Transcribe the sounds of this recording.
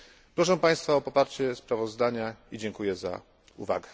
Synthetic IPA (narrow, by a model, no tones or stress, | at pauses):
pɾɔʂɛpaj̃st̪faɔpɔpaɾt͡ɕɛspɾavɔzd̪aɲaid͡ʑɛŋkujɛza̰ | ṵva̰ɡɛ